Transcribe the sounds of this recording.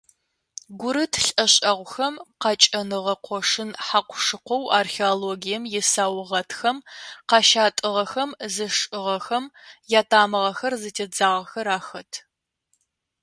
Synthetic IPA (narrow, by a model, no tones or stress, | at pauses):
ɡʷʊɾɨtʰɬʼɐɕʼɐʁʷxɐmqɑt͡ʃʼɐnɨʁɐqʷɔʂɨnħaqʷʰʊʂɨqʷɔwʔarxeoloːɡijɛmjɛsaːwʊʁɐtʰxɐmqɑʃaːtʼɨʁɐxɐmzɨʂʼɨʁɐxɐmjaːtʰaːmɨʁɐxɐrzɨtʰeːd͡zaːʁɐxɐɾaːxɐtʰ